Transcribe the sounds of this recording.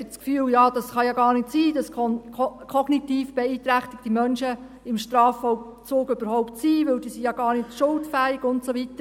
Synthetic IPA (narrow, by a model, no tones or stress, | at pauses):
ɪt͡skfyːljɑːd̥ɑsχɑjɑɡɑːɾnɪtsiːd̥ɑskɔnkʰɔɡ̥nitiːfb̥eiːtɾæχtɪk̚timœnʃə | ɪmʃtɾɑːfɔʊ | t͡soːɡøbəɾhɔʊptsiːʋɵld̥iːsijɑɡ̥ɑːɾnɪtʃʊltfæːɪɡʊntsovitəɾ